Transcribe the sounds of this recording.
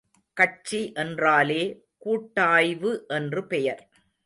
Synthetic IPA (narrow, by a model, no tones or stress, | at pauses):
kɐt͡ʃiʔɛndraːleː | kuːʈːaːjʋɯʔɛndrɯpɛjɐɾ